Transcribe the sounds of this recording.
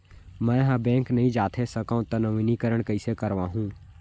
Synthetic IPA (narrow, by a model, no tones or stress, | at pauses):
mɛ̃ːɦãbɛ̃ːŋknɐɦĩd͡ʒaːt̪ʰesɐkãũt̪ɐnɐʋinikəɾəɽ̃kɐisekəɾʋaːɦũː